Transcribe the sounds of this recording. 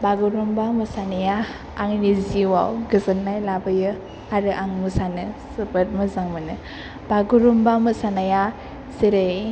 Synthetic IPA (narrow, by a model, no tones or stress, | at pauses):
baɡuɾumbamusanajaː | ŋniziwa̰wɡɯzanːajlabɯjɯ | aɾɯʔaŋmusanɯsɯbɯt̚mɯzaŋmanɯ | baɡuɾumbamɯsanaja | siɾɯ